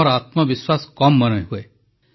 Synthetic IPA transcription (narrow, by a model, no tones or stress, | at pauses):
ɔɾaːt̪məʋɪswaskɔmːənəjɦue